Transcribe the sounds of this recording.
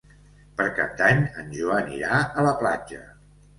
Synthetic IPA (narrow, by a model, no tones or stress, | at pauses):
pəɾka̰p̚d̪aɲənʲʒuənḭɾaələplad͡ʒə